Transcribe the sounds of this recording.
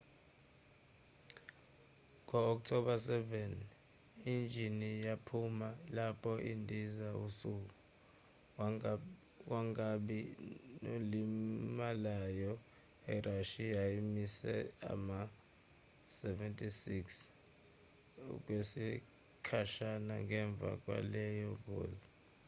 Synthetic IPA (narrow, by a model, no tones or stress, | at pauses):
ŋɔɔk̬̚tʰɔɓasɛvɛn | ind͡ʒʱinijapʰumalapʰɔʔindʱizausuk̬u | k̬waŋaɓinolimalajɔ | ɛrʔaʃiaimisɛ̰a̰ma | sɛvɛntʼisiks | ṵk̬wesi | kʰaʃanaŋɛɱb̪vʱa̰k̬wa̰lɛjɔk̬o̰ːzi